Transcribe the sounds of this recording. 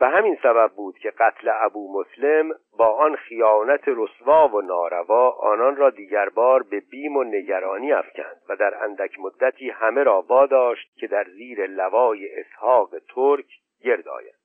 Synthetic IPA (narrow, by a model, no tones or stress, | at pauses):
b̥eɦæminsæbæb̚ːuːd̪̥cʰe̞ɡæt̪ʰleæbuːmosle̞m | bɒːʔɒnxijɒːnæt̪ʰeɾosvɒːvo̞nɒːɾævɒːʔɒ̰ːnɒnrɒːd̪iːɟæɾbɒːɾbe̞biːmo̞ne̞ɟæɾɒːniːæ̰fcʰæ̰nd̪̥væd̪æɾæ̰nd̪æcʰmod̪ːæt̪ʰiːhæme̞ɾɒːvɒːd̪ɒːʃt̪̚cʰe̞d̪æɾziːɾe̞lævɒːjeʔːshɒːɣe̞t̪ʰoɾcʰ | ɟe̞ɾd̪ɒ̰ːjæ̰nd̪̥